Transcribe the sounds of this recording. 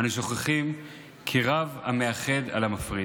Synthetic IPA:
anuʃo̞χeχim | kʰiʁavame̞aχe̞d̪a̰lamafʁi

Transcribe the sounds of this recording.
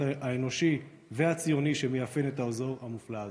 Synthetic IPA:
aeno̞ʃi | ve̞at͡sijo̞niʃemejafene̞taozo̞ʁamuflaaz

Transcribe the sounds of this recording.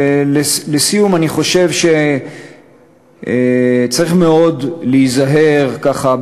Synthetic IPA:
lelesijumaniχo̞ʃe̞vʃe̞ | t͡saʁiχme̞o̞dliːzaɦe̞ʁkaχa

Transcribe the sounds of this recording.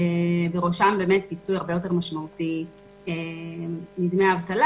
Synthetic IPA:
ebeʁoʃambe̞ːme̞t̚pit͡sujaʁbejo̞t̬e̞ʁmaʃmauti | e | mid̪meaavt̪ala

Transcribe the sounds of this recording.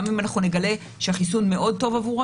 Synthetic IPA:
mimanaχnune̞ɡale̞ | ʃeaχisunmeʔo̞d̚to̞vavuʁ

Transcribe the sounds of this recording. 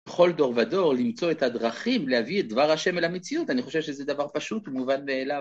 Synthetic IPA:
eχo̞ldo̞ʁvado̞ʁlimt͡so̞ethadʁaχimlehaviet̚d̪vaʁhaʃe̞melhamet͡siutaniχo̞ʃevʃezɛd̪avaʁpaʃutmuvanmeːla

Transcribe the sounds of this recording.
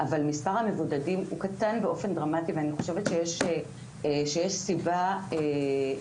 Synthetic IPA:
ʔavalmispaʁhamevudadimukatanbeo̞fe̞nd̪ʁamativeaniχo̞ʃevet̪ʃejeʃe | ʃejeʃsibae

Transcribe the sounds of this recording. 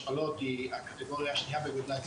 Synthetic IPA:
alot̪iakat̪eɡoʁjaʃniabeɡod̪lat

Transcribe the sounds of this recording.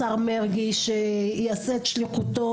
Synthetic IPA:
aʁmeʁɡiʃejaseet̪ʃliχut̪o

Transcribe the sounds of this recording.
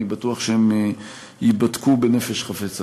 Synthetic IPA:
ibat̪uaχʃeem | ibat̪kubenefe̞ʃχafet͡sa

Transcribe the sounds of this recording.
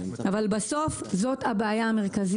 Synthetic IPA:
avalbaso̞fzo̞thabeajaːme̞ʁkaz

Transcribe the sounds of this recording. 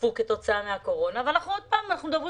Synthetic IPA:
fuket̪o̞t͡saameako̞ʁo̞naveanaχnuod̪̚paːmanaχnud̪avʁi

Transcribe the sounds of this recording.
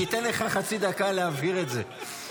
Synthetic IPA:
it̪enleχaχat͡sid̪akaleavhiʁe̞tze

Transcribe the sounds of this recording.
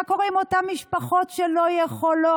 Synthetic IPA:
ko̞ʁimo̞tamːiʃpaχo̞tʃelo̞jeχolo

